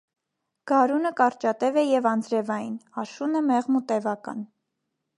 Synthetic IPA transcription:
ɡ̥ɑɾunəkɑɾt͡ʃɑt̪ɛvɛjɛvɑnd͡zɾɛvɑjinɑʃunəmɛʁmut̪ɛvɑkɑ̰n

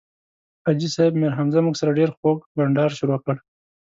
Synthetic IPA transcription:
ad͡ʒisɑɪbmeɾɦamzamuɡsaɾaɖeɾxokbaɳɖɑɾʃʊɾokəɽ

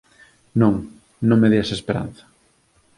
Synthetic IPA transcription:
nõŋ | nõŋmeðiasespeɾa̰n̟θɐ̥

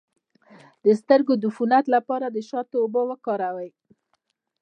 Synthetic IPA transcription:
d̪̥əst̪əɾɡod̪ufunat̪lapɑɾad̪əʃɑt̪oːbowəkɑɾawəj

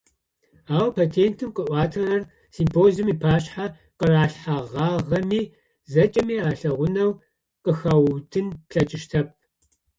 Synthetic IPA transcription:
aːwpʰaːtʰeːntʰɨmqəʔʷɑːtʰɐrɐr | siːmpʰoːzɨmiːpʰaːɕħa | qəraːɬħaʁɑːʁɐmiː | zɐt͡ʃʼɐmiːaːɬɐʁʷʊnɐw | qəxɐwtʰɨnpɬɐt͡ʃʼɪʃtʰɐp̚

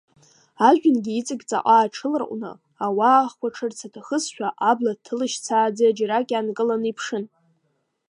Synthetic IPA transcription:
aʒᶣʊnɡʲiit͡sʼɨɡʲt͡sʼa̰qʼaːʈ͡ʂʰɨlrʔʷʼnɨ̰ | awaːχkʷaʈ͡ʂʰɨrt͡sʰatʰaχəsʃᶣaʔablatʰːɨlɨʃt͡sʰaːd͡zead͡ʒaɾakʲʼankʼɨlanipʰʂɨn

